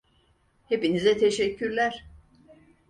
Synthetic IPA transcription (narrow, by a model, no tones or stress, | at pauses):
hepinizɛt̪ʰeʃecʰːyɾlʲæɾ̥